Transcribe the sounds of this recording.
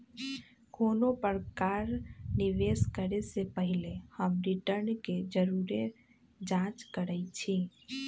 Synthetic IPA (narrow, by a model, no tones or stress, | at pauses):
konopəɾkaɾniʋeskəɾesepəɦilehəmɾiʈəɾnked͡ʒəɾuɾe | d͡ʒãt͡ʃkəɾɛt͡ʃʰi